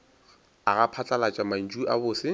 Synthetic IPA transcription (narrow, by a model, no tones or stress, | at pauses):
aɣapʰat͡ɬʼalat͡ʃʼaman̩d͡ʒuʔa̰bʊːsɪ